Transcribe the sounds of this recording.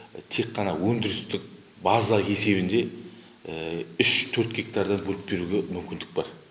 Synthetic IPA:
t̪ʰe̞kːɑnɑwɵnd̪ɪɾɪst̪ɪk̚ | bɑzɑe̞se̞βɪnd̪e̞ | ʏʃt̪ʰɵɾt̪ɡʲe̞k̚t̪ɑɾd̪ɑnbɵɾɪp̚be̞ɾuɡʲemʏmkʲɪnd̪ɪ̥k̚bɑɾ

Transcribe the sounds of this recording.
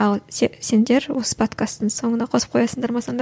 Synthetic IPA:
ɑlˠese̞nd̪e̞ɾwo̞sə̥pʰo̞t̪kʰast̪ːəŋso̞ɴənɑqʰo̞sə̥p̚qʰojɑsənd̪ɑɾmɑsɑnd̪

